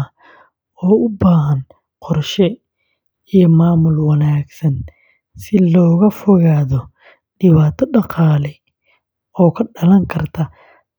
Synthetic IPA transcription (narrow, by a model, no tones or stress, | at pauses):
ɔːʊbaːɦɐn | qɔrʃɛ | ijɔmaːmʊlwɐnaːɡsɐn | sɪlɔːɣɐfɔɣaːðɔ | ɖɪβaːt̪ʰɔɖɑqɑːlɛj | ɔːkʰɐɖɐlɐŋkʰɐrt̪ʰɐ